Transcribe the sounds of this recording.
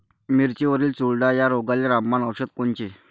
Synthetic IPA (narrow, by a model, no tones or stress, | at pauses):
miɾt͡ɕeʋəɾiːlt͡suɭɖajaɾoɡalːeɾamːanəʋɕət̪koɳt͡ɕe